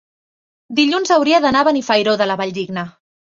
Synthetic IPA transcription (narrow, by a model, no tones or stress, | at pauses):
d̪iʎunzəwɾiəðənaβənifəjɾoðələβaʎd̪iɡnə